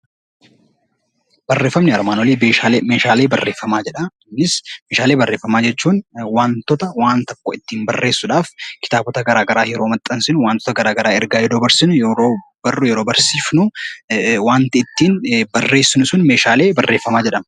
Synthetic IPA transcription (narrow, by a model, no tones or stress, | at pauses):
b̥ɐrːe̞ːfːɐmnɪɐɾmaːnwɔliːbeːʃaːlemeːʃaːle̞ːbɐrːe̞ːfːɐmaːd͡ʒɛᶑɐː | ɪsmeːʃaːle̞ːbɐrːe̞ːfːɐmaːd͡ʒɛt͡ʃːuːnwaːnt̪ɔt̪ɐwaːnt̪ɐkːoːɪt̪ːiːmbɐrːe̞ːsːʊᶑaːfkɪ̥t̪aːbɔt̪ɐɡɐɾaːɡɐɾaːjɛɾoːmɐt̪ʼːɐnsɪnwaːnt̪ɔ̥t̪ɐɡɐɾaːɡɐɾaːɛɾɡaːjɛɾoːbɐɾsɪnʊjoːbɐrʊjɛɾo̞ːbɐɾsiːfnʊ | waːnt̪ɪɪt̪ːiːnbɐrːe̞ːsːɪnʊsʊnmeːʃaːle̞ːbɐrːe̞ːfːɐmaːd͡ʒɛᶑɐmɐ